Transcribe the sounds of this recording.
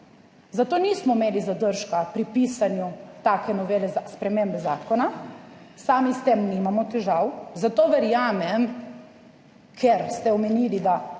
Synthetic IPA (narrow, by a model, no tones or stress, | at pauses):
zat̪oːnismɔmeːlizad̪əɾʃkapɾipiːsanjut̪aːkɛnɔʋeːlɛaspɾɛmembɛzaːkɔnasaːmist̪emnimamɔt̪ɛʒawzat̪oːʋɛɾjaːmɛm | kʰeɾst̪ɛɔmɛniːlid̪a